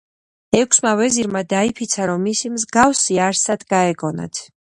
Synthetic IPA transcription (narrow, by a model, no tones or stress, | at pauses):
ɛkʰsmavɛziɾmad̪aipʰit̪sʰaɾɔmːisimzɡafsiaɾsad̪ɡaɛɡɔna̰t̪ʰ